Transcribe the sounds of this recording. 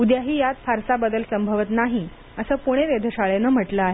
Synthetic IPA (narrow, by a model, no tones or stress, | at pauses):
ud̪jaɦiːjat̪fʰaɾsabəd̪əlsəmbʱəʋət̪naɦi | əsəːpuɽ̃eʋed̪ʱəɕaɭenəm̤əʈləaɦe